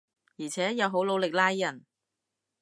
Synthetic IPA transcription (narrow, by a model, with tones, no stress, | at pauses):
jiː˨˩t͡sʰɛː˨˥jɐ˨˧wɦo˨˥wlo˨˧wlɪ˨k̚laː˥jːɐ˨˩n